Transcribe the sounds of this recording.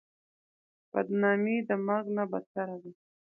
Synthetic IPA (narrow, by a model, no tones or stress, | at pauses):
b̥a̰d̪nɑmed̪əmaɾɡnabad̪̚t̪aɾad̪a